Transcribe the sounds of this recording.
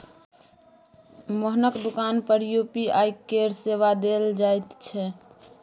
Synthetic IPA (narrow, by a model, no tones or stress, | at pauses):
məɦnəkd̪ukaːnpəɾjupiaːjkːeɾseʋad̪eld͡ʒaːjt̪t͡ʃʰɛ